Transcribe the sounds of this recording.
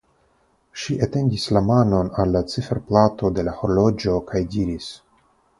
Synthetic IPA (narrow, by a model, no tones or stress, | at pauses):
ʃiʔate̞ndislamano̞nalːat͡sifeɾplato̞de̞laho̞ɾlo̞d͡ʒo̞kʰajdiɾis